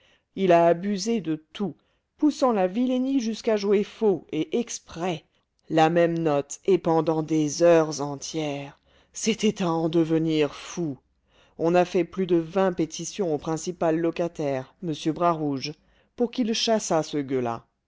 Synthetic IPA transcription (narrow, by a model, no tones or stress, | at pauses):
ilaːbyzed̪ət̪ʰu | pusɑ̃lavileniʒyskaʒuwefoeʔɛkspχɛ | lamɛmnɔt̪epɑ̃d̪ɑ̃d̪ezœʁzɑ̃t̪jɛʁ | set̪ɛt̪aɑ̃d̪əvəniʁfu | ɔ̃nafɛplyd̪əvɛ̃pet̪ʰisjɔ̃opχɛ̃sipalːɔkat̪ɛʁməsjøbʁaʁuʒ | puʁkʲilʃasasəɡøla̰